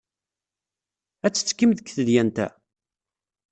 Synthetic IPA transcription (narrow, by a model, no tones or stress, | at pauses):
æt͡sːə̥t͡sːkːimðəkːθəðjænt̪æ̰